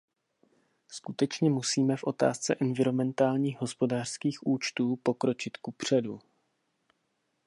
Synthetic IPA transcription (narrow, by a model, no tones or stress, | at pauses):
skut̪ɛt͡ʃɲɛmusiːmɛfʔo̞t̪a̰ːst͡sɛ̰ʔɛnvɪɾo̞mɛnt̪aːlɲiːɣɦo̞spo̞daːr̥skiːxʔuːt͡ʃt̪uːpo̞kɾo̞t͡ʃɪt̪kupr̝̥ɛdu